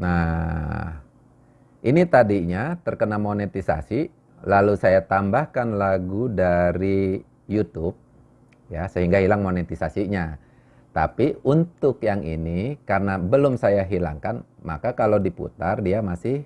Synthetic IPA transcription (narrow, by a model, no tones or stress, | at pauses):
na | h | ʔinit̪adiɲat̪ərkənamonet̪isa̰si | lalusajat̪ambahkanlaɡudaɾi | jut̪ʊp̚ | jasəɦiŋɡahilaŋmonet̪isasiɲa | t̪a̰piunt̪ʊkjaŋḭnikarnabəlʊmsajaɦila̰ŋkan | ma̰kakalodipṵt̪ardiamasɪh